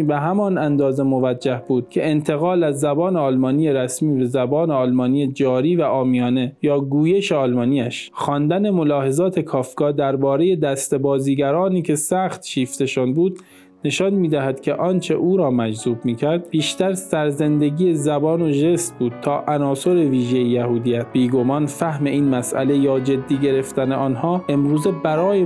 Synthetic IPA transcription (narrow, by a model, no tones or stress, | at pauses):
beɦæmɒnænd̪ɒːzemo̞væd͡ʒːæhbuːd̪̥̚cʲʰe̞ent̪ʰe̞ɣɒːlæzːæbɒːneɒːlmɒːniːje̞ɾæsmiːbezæbɒːne̞ɒːlmɒːnijed͡ʒɒːɾiːvæʔɒːmijɒːne̞jɒːɡuːje̞ʃeɒlmɒːniːæʃxɒnd̪æne̞mo̞lɒːɦe̞zɒːt̪ʰe̞kʰɒːfɡɒːd̪æɾbɒːɾe̞je̞d̪æst̪ebɒːziːɡæɾɒːniːcʰe̞sæːχt̪ʃiːft̪e̞ʃɔnbuːd̪ | ne̞ʃɒnmiːd̪æɦæd̪̥cʰʲe̞ʔɒːnt͡ʃʰe̞̰ʔuːɾɒːmæd͡ʒzuːbmiːcʰæɾd̪̚b̥iːʃt̪æɾsæɾze̞nd̪e̞ɡiːezæbɒːno̞ʒe̞st̪buːd̪̥̚t̪ʰɒːʔænɒːso̞ɾe̞viːʒe̞jejæhuːd̪ijæt̪b̥iːɡo̞mɒːnfæhme̞iːnmæsʔæ̰le̞jɒːd͡ʒe̞d̪ːiːɟe̞ɾe̞ft̪æneɒːnɦɒːʔe̞mɾuːze̞bæɾɒːje